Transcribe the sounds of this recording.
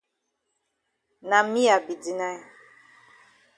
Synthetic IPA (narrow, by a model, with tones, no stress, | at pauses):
na˨mi˦a˨bi˨di˨na˦j